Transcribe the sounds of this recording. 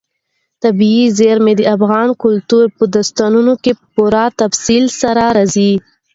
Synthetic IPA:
t̪abiizeɾmed̪əafɣɑnkʊlt̪uɾpəd̪ast̪ɑnunokepəpuɾɑt̪afsilsaɾaɾazi

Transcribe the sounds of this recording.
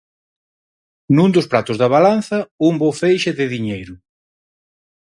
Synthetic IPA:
nund̪ʊspɾat̪ʊzðɐβalan̟θɐumbofejʃɪðɪðiɲejɾʊ

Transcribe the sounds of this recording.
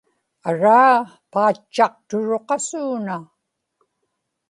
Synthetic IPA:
aɻaː | paːt͡ʃːɑq̚t̪ʊɻoqɑsuːna

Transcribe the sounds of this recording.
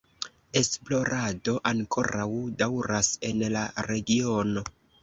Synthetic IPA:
e̞splo̞ɾado̞ʔaŋkʰo̞ɾawdawɾase̞nlaɾe̞ɡio̞no̞

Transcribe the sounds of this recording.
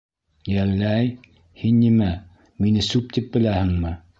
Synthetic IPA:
jælːæj | hinːimæ | minɘsʉp̚t̪ip̚bɘ̆læhɘ̆ŋmɘ

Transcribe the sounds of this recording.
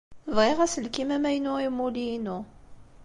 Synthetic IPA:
vʁeʁæsəlkimæmæjənʊʁimːulinʊ

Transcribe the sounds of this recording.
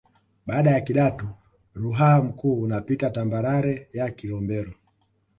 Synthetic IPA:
ɓaːɗajakiɗatu | ɾuɦam̩kuːnapitatambaɾaɾɛjakilɔmbɛɾɔ

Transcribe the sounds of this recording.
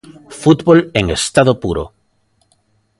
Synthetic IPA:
fut̪βoleŋest̪aðopuɾo̰

